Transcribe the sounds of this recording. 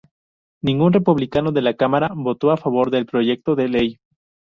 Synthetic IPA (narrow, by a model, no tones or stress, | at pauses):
nĩŋɡunre̞puβlikano̞ðe̞lakamaɾaβo̞t̪o̞afaβ̞o̞ɾðe̞lpɾo̞ʝe̞k̚t̪o̞ðe̞le̞j